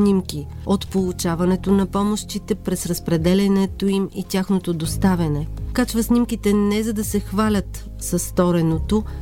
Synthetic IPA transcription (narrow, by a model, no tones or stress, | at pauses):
nimkʲi | ot̪polˠut͡ʃavɐnɛt̪onɐpɔmoʃt̪it̪ɛpɾɛsɾɐspɾɛd̪ɛlʲɛnɛt̪oimit̪ʲjaxnot̪od̪ost̪avʲɐnɛkat͡ʃvɐsnimkit̪ɛnɛzɐd̪ɐsɛxvalʲət̪ | sɐsːt̪ɔɾɛnot̪o